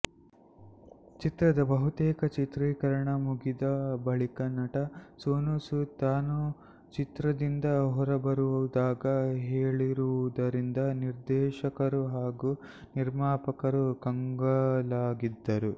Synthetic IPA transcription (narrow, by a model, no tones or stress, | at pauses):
t͡ʃit̪ɾɐd̪ɐbɐɦut̪eːkɐt͡ʃit̪ɾiːkɐɾɐɳɐmuɡid̪ɐbɐɭikɐnɐʈɐsoːnusut̪aːnu | t͡ʃit̪ɾɐd̪ind̪ɐɦɔɾɐbɐɾuʋud̪aːɡɐɦeːɭiɾuʋud̪ɐɾind̪ɐniɾd̪ɛːʃɐkɐɾuɦaːɡu | niɾmaːpɐkɐɾukɐŋɡɐlaːɡid̪ːɐɾu